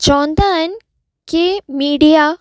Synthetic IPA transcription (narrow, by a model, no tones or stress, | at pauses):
t͡ɕɐʋə̃nd̪aːɦən | kemiːɖija